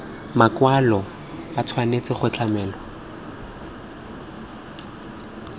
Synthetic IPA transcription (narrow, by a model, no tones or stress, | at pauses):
makwalɔ | batʰwanet͡sɪχʊt͡ɬʰamɛːlɔ